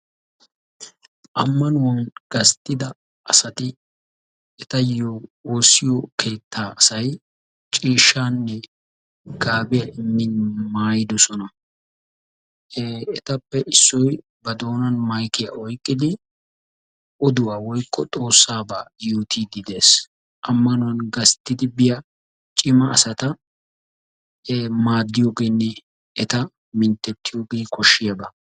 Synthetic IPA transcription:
ʔɐmːɐnʊwɐnɡ̥ɐst̪ʼːɪd̪ɐ | ʔɐsɐt̪ɪ | ɛt̪ɐjooːsːɪjɔkʰe̞ːt̪ʰːaːɐsɐj | t͡ʃʼiːʃːaːnːɛ | ɡ̥aːbɪjɐʔɪnːɪnmaːjɪd̪ɔsɔnɐ | ɛt̪ɐpːɛʔɪsːɔj | bɐd̪o̞ːnɐnmɐjkɪjɐʔɔjkʼːɪd̪ɪ | ɔd̪ʊwaːwɔjkʼːɔt̪ʼo̞ːsːaːbaːjoːt̪ʰid̪ɪd̪eːs | ʔɐmːɐnɔwɐnɡɐst̪ːɪd̪ɪbɪjɐ | t͡ʃʼɪmɐɐ̰sɐt̪ɐ | maːd̪ːɪjoːɡeːnːɛ | ɛt̪ɐ | mɪnt̪ːɛt̪ːɪjoːɡeːkʰɔʃːɪjɐbɐ

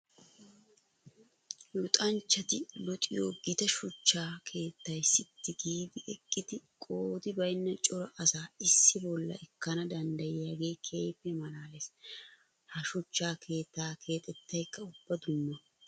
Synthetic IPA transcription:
jʊt̪ʼɐnt͡ʃːɐt̪ɪlɔt̪ʼɪjoːɡɪt̪ɐʃʊt͡ʃːaːkʰe̞ːt̪ːɐjsɪt̪ːɪɡiːd̪ɪʔɛkʼːɪd̪ɪkʼoːd̪ɪbɐjnːɐt͡ʃʼɔɾɐʔɐsaːɪsːɪbɔlːɐ̰ɛkːɐnɐd̪ɐnd̪ɐjɪjaɡe̞ːkʰe̞ːpːɛmɐlaːles | hɐʃʊt͡ʃːaːkʰe̞ːt̪ːaːkʰe̞ːt̪ʼɛt̪ːɐjkːɐʊb̥ːɐd̪ʊmːɐ

